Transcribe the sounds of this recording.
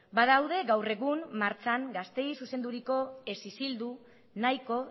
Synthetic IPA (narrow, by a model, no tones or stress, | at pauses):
baðawð̞e̞ɡawre̞ɣ̞umːaɾt͡saŋɡast̪e̞jsuse̞nd̪uɾiko̞e̞sisild̪u | najko̞